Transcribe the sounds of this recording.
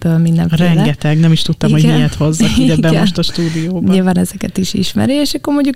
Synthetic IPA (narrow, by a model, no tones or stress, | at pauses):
bølminːɛ̰mrɛŋɡɛt̪ɛɡnɛmiʃt̪ut̪ːɒmmho̥hɛjɛt̪ho̞zːɒkuɟɛbɛmoʃt̪ɒʃt̪uːd̪ijoːbɲɛvɒnɛzɛkɛt̪iʃḭʃmɛ̰ɾieʃɒkːoɾmoɟɟuk